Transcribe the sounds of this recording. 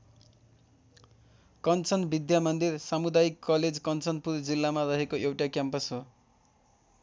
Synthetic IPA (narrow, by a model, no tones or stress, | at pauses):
kʌnt͡sʌnbid̪jamʌnd̪irsamud̪ajikːʌled͡zkʌnt͡sʌnpurd͡zilːamarʌɦekoʔewʈakjampʌsɦo